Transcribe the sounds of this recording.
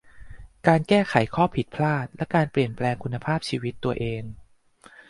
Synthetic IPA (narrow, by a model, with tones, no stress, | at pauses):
kaː˧nkɛː˥˩kʰa˩˦jkʰɔː˥˩pʰi˨˩t̪̚pʰlaː˥˩t̪̚lɛ˦˥kaː˧npli˨˩ənplɛː˧ŋkʰu˧nːa˧pʰaː˥˩p̚t͡ɕʰiː˧wi˦˥t̪ːu˧ɐʔeː˧ŋ